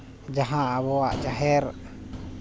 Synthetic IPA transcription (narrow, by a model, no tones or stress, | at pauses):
d͡ʒaɦãːβɔaʔd͡ʒaɦɛɾ